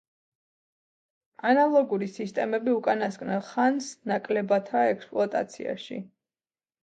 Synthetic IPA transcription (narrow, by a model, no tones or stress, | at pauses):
analˠɔɡuɾisist̪ʼɛmɛbiukʼanaskʼnɛnχansnakʼlɛbat̪ʰaɛkspʼlˠuat̪ʼa̰t̪sʰḭa̰ʃḭ